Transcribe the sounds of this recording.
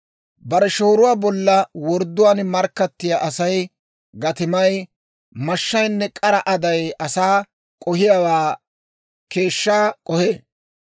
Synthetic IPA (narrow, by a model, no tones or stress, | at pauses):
bɐɾɛʃoːɾʊwaːbɔlːɐwɔɾd̪ːʊwaːnmɐɾkːɐt̪ːɪjaʔɐsɐj | ɡɐt̪ɪmɐj | mɐʃːɐjnːɛkʼɐɾɐʔɐd̪ɐjɐsaː | kʼɔhɪjawaː | ke̞ːʃːaːkʼɔheː